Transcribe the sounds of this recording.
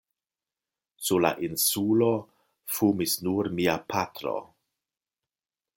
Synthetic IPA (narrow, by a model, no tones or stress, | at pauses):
sula̰ʔinsulo | fumisnuɾmiapʰatɾo̞̰